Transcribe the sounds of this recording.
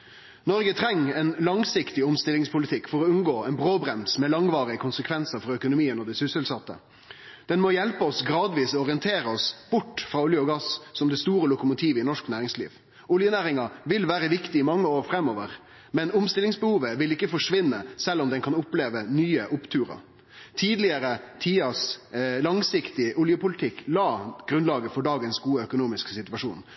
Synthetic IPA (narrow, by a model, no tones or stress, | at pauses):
nɔɾɡət̪ʰɾɛŋːɛnlɑŋsɪkt̪ɪʊmst̪ɪlɪŋspʰʊlɪt̪ʰɪkːfɔɾɔʉnɡoːɛnbɾoːbɾɛmsmɛːlɑŋʋɑːɾɪəkʰʊnsəkʰʋɛnsəɾfɔɾœkʊnʊmiːənɔd̪æɪsʏsəlsɑt̪ːə̰ | d̪̥ɛnmɔjɛlpəɔsɡɾɑːd̪ʋiːsɔɔɾɪənt̪ʰeːɾəɔsb̥ʊʈːfɾɑːʊljəɔɡɑssɔmd̪ɛst̪uːɾəlʊkʊmʊt̪ʰiːʋəɪnɔʂknæːɾɪŋslḭːʋ | ʊljənæːɾɪŋɑʋɪlʋæːɾəʋɪkt̪ɪɪmɑŋːəoːɾfɾɛmːɔʋəʁ | mɛnʊmst̪ɪlɪŋsbəhuːʋəʋɪlɪkːəfɔʂʋɪnːəsɛlːɔmd̪ɛnkʰɑnʊpleːʋənyːəʔʊpt̪ʰʉːɾɑ̰ | t̪ʰiːd̪lɪəɾət̪ʰiːɑslɑŋsɪkt̪ɪʔʊljəpʊlɪt̪ʰɪkːlɑːɡ̥ɾʉnlɑːɡəfɔɖɑːɡənsɡuːəœkʊnuːmɪsksɪt̪ʉʋɑʂṵːn